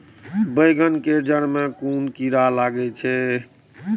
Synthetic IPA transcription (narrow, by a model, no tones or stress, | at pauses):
bəjɡənked͡ʒəɽ̃mekunkiɾalaɡɛt͡ʃʰɛ